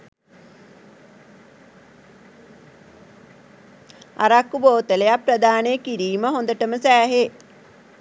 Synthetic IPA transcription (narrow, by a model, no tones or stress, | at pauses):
a̰ɾakːuboːt̪əlejaprəd̪aːnejəkiɾiːməɦond̪əʈəməsæːɦe